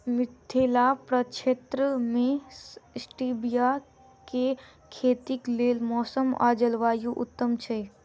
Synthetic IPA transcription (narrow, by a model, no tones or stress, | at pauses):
mɪt̪ʰːelapɾət͡ʃet̪ɾəmẽsʈibija | ke | kʰeːt̪ikleːlmɔːsəma̰ːd͡ʒəlʋaːjuʔʊ̰t̪ːəmt͡ʃʰe